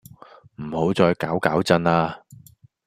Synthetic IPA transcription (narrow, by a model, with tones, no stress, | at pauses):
m̩˨˩ho˨˥wt͡sɔː˧jkaː˨˥wkaː˨˥wt͡sɐ˧naː˧